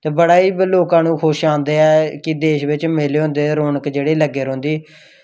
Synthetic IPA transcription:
t̪eːbəɽaːiːbloːkãːnũːkʰoːʃãːnd̪eːɛːkɪd̪eːʃʋɪt͡ʃmeleːɦõːnd̪eːɾoːnəkd͡ʒeːɽiːləɡːeːɾõːnd̪iː

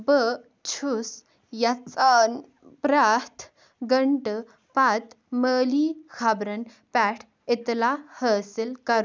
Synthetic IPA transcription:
bə | t͡ɕʰus | jat͡san | pɾat̪ʰ | ɡəɳʈ | pat̪ | məːliːkʰabɾɐn | pɛʈʰ | it̪lahəːsilkɐɾ

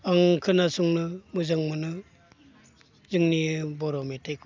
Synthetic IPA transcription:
aŋkʰɯnasuŋnɯmuzaŋmɯnɯ | zɯŋnibɔɾɔmetʰek

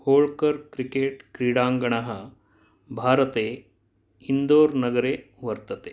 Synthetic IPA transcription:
hoːɭkəɾkɾikeːʈkɾiːɽaːŋɡɐɳaɦə | bʱaːɾət̪eː | ind̪oːɾnɐɡəɾeː | ʋɐɾt̪ɐt̪e

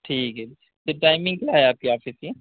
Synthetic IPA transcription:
ʈʰiːkɦɛ | teʈaːɪmɪ̃ŋɡkjaːɦɛaːp̚kiaːfɪsie

